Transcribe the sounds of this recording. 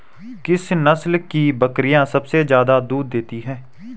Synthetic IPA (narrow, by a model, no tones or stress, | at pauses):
kɪsnəslkiːbəkɾɪjãːsəbsezjaːd̪aːd̪uːd̪̚ːeːt̪iɦɛ̃ː